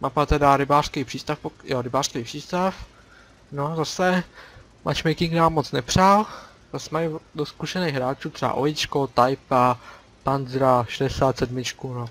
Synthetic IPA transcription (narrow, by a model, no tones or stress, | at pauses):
mʔapat̪ɛdaɾɪbaːr̥skɛjpr̥iːst̪afpojoɾɪbaːr̥skɛjpr̥iːst̪af | nozasɛ | mʔa̰t͡ʃmɛjkɪŋɡnaːmːot͡snɛpr̝̥al | z̥asɛmaɪdoskuʃɛnejɣɦɾaːt͡ʃuːt̪r̥ɛba̰ʔojɪt͡ʃkot̪ajpa | panzɾaʃɛdɛsaːt̪sɛdmɪt͡ʃkuno